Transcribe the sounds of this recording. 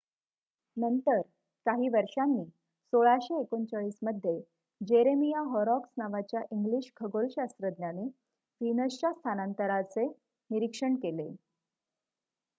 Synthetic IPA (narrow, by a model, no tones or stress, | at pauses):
nənt̪əɾ | kaɦiːʋəɾʂanːiː | soɭaɕeːkont͡saɭiːsməd̪ʱːje | d͡ʑeɾemijaɦɔɾɔksnaʋat͡ɕjaʔiŋɡliɕkʰəɡolɕast̪ɾəd̪njane | ʋinəst͡ɕast̪ʰanant̪əɾat͡se | niɾikʂəɳkele